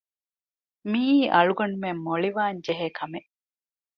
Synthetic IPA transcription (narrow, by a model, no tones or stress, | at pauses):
miːʔɐɭuɡɐnumemːoɭiʋaːɲd͡ʒeɦeːkʰɐmeʔ